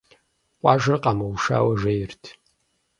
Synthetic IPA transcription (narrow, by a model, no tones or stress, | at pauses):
qʷʼɑːʒɨrqʼamɐwʃa̰ːwɐʒejɪrtʰ